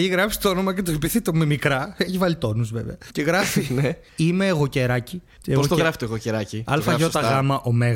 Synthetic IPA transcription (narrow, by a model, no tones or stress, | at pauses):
eçiɣɾɐpsi̥t̪oono̞mɐcet̪opiθet̪omemikɾɐeçivɐlit̪o̞nuzveveɐceɣɾɐfine | imeːɣoceɾɐci | eoot̪oɣɾɐfi̥t̪oɣoceɾɐciɐlfɐʝost̪ɐɣɐmɐʔo̞meɣ